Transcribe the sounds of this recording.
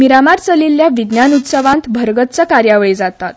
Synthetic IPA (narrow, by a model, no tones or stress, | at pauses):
miɾamaɾt͡səlilːjaʋid̪njanut̪səʋãnt̪bʱəɾɡət̪t͡səkaɾjaʋɭid͡zat̪at̪̚